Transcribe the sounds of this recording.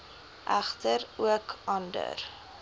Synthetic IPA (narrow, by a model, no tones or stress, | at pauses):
ʔæχtəɾuəkʔɐndə̰r